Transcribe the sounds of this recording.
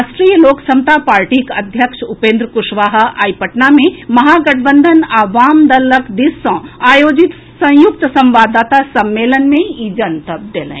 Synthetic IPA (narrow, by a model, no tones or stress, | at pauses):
asʈɾijəloːksɐmt̪apaːɾʈikɐd̪ʱjəkʃupẽːnd̪ɾəkʊʃʋaːɦ̆aːjpəʈnamẽmɐɦaːɡɐʈʰbənd̪ʱənaːʋaːmd̪ɐləkd̪isːɔ̃ːaːjoːd͡ʒit̪ | sɐ̃jʊk̚t̪sɐ̃mʋaːd̪aːt̪asɐmːeːlənmẽid͡ʒɐnt̪ɐb̚d̪elḛ̃